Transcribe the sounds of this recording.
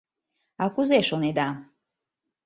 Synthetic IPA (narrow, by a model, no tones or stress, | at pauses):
ɑkuzeʃoned̪a